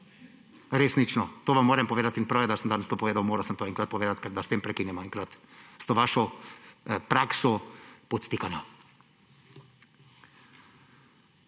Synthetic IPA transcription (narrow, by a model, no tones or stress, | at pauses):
ɾeːsnit͡ʃnɔt̪oːʋamːoːɾɛmpɔʋeːd̪at̪inpɾawjɛd̪asəmd̪anɛst̪oːpɔʋeːd̪awmoːɾɐwsəmt̪oːɛŋkɾat̪̚pɔʋeːd̪at̪kɛɾd̪ast̪eːmpɾɛkiːnɛmɔɛŋkɾat̪st̪oːʋaːʃɔ | pɾaksɔpɔt̪st̪ikanɔ